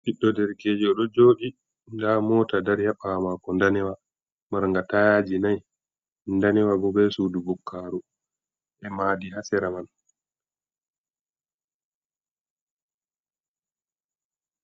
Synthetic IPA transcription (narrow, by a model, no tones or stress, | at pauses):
ɓiɗːɔdɛɾkeːd͡ʒiɔɗɔd͡ʒoːɗi | ndamɔːtadaɾhɛɓamakɔndanɛwa | maɾŋɡatajaːd͡ʒinaj | ndanɛwaɡɔbɛsuːdubukʰːaːɾu | ʔɛmadihasɛɾaman